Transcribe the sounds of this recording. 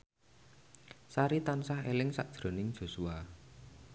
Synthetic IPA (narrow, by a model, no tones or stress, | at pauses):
saɾit̪ansahḛlɪŋsaʔd̥ʒ̥ɾo̤nɪŋd̥ʒ̥o̤sua